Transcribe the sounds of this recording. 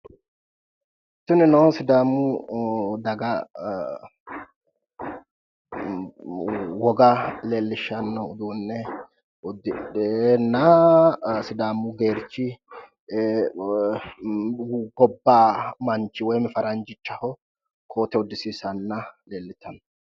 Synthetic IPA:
t̪ːʊnɪnɐwsɪd̪aːmːʊ | d̪ɐɡɐ | wɔɡɐleːlːɪʃɐnːɐʊd̪uːnːɛ | ʊd̪ɪnːɐ | sɪd̪aːmːʊɡe̞ːɾt͡ʃːɪ | ɡɔbːaːmɐnt͡ʃːɪwɔjmɪfɐɾɐnd͡ʒɪt͡ʃːɐhɔ | kʰoːt̪ɛʊd̪ːɪsiːsɐnːɐleːlːɪt̪ʰːɐnɐ

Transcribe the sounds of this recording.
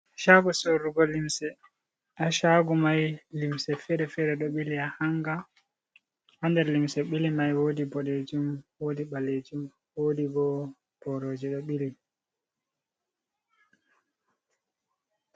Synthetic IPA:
ʃaɡusoɾuɡɔlimsɛ | aʃaɡumajlimsɛfɛɾɛfɛɾɛɗɔɓiliahaŋɡa | handɛɾlimsɛɓilimajwoːdibɔded͡ʒumwodiɓaled͡ʒum | woːdiɡɔ | b̥ɔɾoːd͡ʒiɗɔɓili

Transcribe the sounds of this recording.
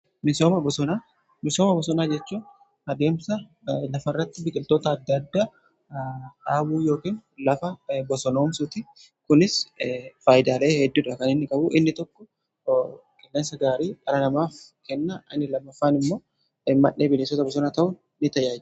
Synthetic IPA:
mɪso̞ːmɐbɔsɔnaː | mɪsoːmɐbɔsɔnaːd͡ʒɛt͡ʃːuː | ɐd̪e̞ːmsɐ | lɐfɐrːɐt̪ːɪbɪkʼɪlt̪o̞ːt̪ɐːd̪ːɐd̪ːaː | ᶑaːbuːjo̞ːkiːnlɐfɐbɔsɔno̞ːmsʊt̪ɪ | kʊnɪsfaːjɪd̪aːleːhɛd̪ːuːᶑɐkɐnɪnːɪkʼɐbʊʔɪnːɪt̪ɔkːɔ | kʼɪlːeːnsɐɡaːɾiːkʼɐɾɐnɐmaːfkɛnːɐʔɐnɪlɐmːɐfːaːnɪmːo̞ː | ɪmːɐʔeːbɪleːsɔt̪ɐbɔs̬ɔnaːt̪ɐʔʊː | ɪt̪ɐjaːd͡ʒ

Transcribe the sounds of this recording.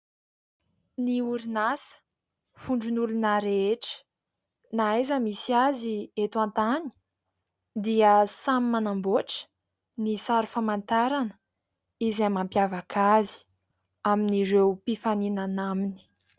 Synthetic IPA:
niuɾinasə̥ | fuɳɖ͡ʐunulunaɾeeʈ͡ʂə̥ | naajzəmisiaziet̪uãnt̪ani̥ | d̪iəsamimanamboʈ͡ʂə̥ | nisaɾufamant̪aɾanə̥ | izamampjavakazi̥ | aminiɾewpifaninanamini̥

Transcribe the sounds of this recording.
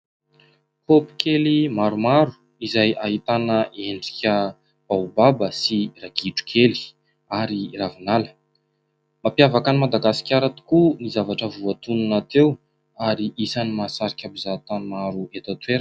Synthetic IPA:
popi̥kʲʰelimaɾumaɾu̥ | izajaɦit̪anəʔeɳɖ͡ʐi̥kʲə | b̥awbabəsiraɡ̥iʈ͡ʂu̥kʰeli̥ | aɾiravinalə̥ | mapjavakənimad̪aɡasi̥kʲaɾat̪i̥kunizavaʈ͡ʂəvuat̪ununat̪ew | aɾiʔisanimasaɾikʲabizat̪anmaɾuet̪at̪weɾ

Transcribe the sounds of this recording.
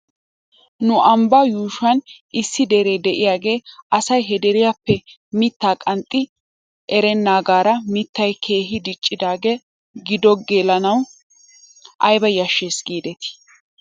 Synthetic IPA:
nʊʔɐmbɐjuːʃɐn | ɪsːɪd̪ɛɾeːd̪ɛʔɪjaːɡe̞ːʔɐsɐjɦɛd̪ɛɾɪjapːɛ | mɪt̪ːaːkʼɐnt̪ʼːɪ | ʔɛɾɛnːaːɡaːɾɐmɪt̪ːɐjkʰe̞ːɦɪd̪ɪt͡ʃʼːɪd̪aːɡeː | ɡɪd̪ɔɡeːlɐnɐw | ʔɐjbɐjɐʃːeːsɡiːd̪ɛt̪ɪ̥

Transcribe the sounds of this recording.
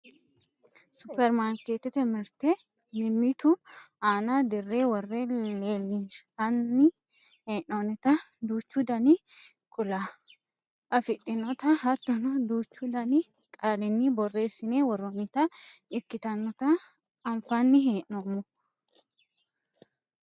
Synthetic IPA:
sʊpːɛɾmaːnkeːt̪ːɛt̪ɛmɪɾt̪ɛ | mɪmːit̪ʊaːnad̪ɪrːeːwɔrːeleːlːɪnʃɐnːɪ | heːʔnonɛt̪ɐd̪uːt͡ʃːud̪ɐnɪ | kʼʊla | ʔɐfɪᶑɪnːɔt̪ɐɦɐt̪ːɔnɔd̪uːt͡ʃːʊd̪ɐnɪ | kʼaːlɪnːɪbɔrːe̞ːsːɪneːwɔrːɔmɪt̪ɐɪkːɪt̪ɐnːɔt̪ɐː | mfanːɪɦeːʔːomːʊ

